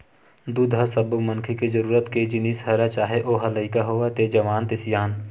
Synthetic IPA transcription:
d̪ud̪ʱasəbmənkʰekezəɾuːɾət̪ked͡ʒɪnisɦəɾat͡ʃaːɦeʔoːɦɐləɪkaɦoːat̪ed͡ʒɐʋaːnt̪ɪsjaːn

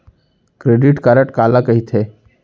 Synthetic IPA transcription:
kɾeːɖɪʈkəɾəʈkaːlakəɦit̪ʰe

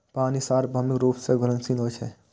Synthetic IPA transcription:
paːnisaːɾbʱaːmɪkɾuːpseɡəɾənsinoːt͡ʃʰe

